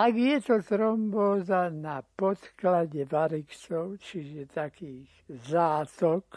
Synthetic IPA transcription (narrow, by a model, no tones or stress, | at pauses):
aɡjɛt̪ɔt̪ɾɔmbɔːzanapɔt̪klaɟɛʋaɾikt͡sɔʊt͡ʃiʒɛt̪akiːɣ | zaːt̪ɔk